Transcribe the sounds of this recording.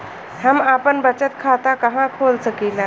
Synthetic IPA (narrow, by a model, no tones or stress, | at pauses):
hamapənbət͡sət̪̚kʰat̪akəɦãkʰolsəkila